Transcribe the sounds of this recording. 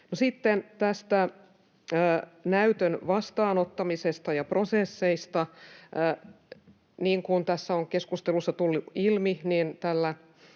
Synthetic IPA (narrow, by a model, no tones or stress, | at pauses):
nosit̪ːent̪æst̪æ | næyt̪ønʋɑst̪ɑːnot̪ːɑmisest̪ɑjɑprosesːeist̪ɑ | niːŋkunt̪æsːæoŋkeskust̪elusːɑt̪ulːiilminint̪ælːæ